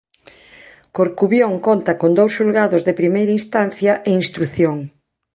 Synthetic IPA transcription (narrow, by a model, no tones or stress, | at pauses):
koɾkuβjoŋkont̪ɐkond̪owsʃulɣaðʊzðepɾimejɾɐinst̪anθjɐʔeinst̪ɾuθjoŋ